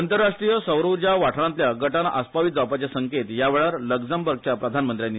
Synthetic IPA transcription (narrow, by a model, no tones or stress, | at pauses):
ənt̪əɾːaʂʈɾijəsəwɾud͡ʑjaʋaʈʰɽãnt̪ljaɡəʈanʔaspaʋit̪̚d͡zapat͡ɕesəŋket̪jaʋeɭaɾləɡd͡zəmbəɾɡ̚t͡ɕjapɾəd̪ʱanmənt̪ɾjanːi